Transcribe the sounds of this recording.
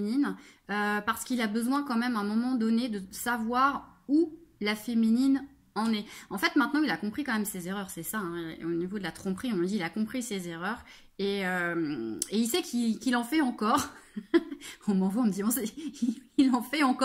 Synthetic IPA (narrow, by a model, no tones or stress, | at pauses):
ninøpaʁsə̥kilabəzwɛ̃kɑ̃mɛmɛ̃mɔmɑ̃d̪ɔned̪əsavwaʁulafeminin | ɑ̃nɛɑ̃fɛt̪mɛ̃t̪nɑ̃ilakɔ̃pχikɑ̃mɛmsezeʁœʁsɛsaɛ̃onivod̪əlat̪χɔ̃pχiɔ̃məd̪iːlakɔ̃pχisezeʁœʁ | eømeilsɛkʰikilɑ̃fɛɑ̃kɔʁ | ɔ̃mɑ̃vwaɔ̃məd̪iɔ̃sɛilɑ̃fɛɑ̃kɔ